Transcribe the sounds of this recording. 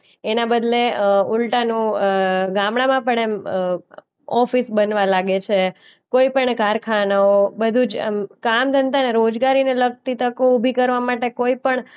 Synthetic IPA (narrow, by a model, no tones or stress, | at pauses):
enabəd̪ʱleulʈanũɡamɽãmãpəɳem | ɔfisbənʋalaɡet͡ʃʰe | koipəɳkaɾkʰanaobəd̪ʱud͡ʒḛmkamd̪ʱənt̪aneɾod͡ʒɡaɾineləɡ̚t̪it̪ʰəkoubʱikəɾʋamaʈekoipəɳ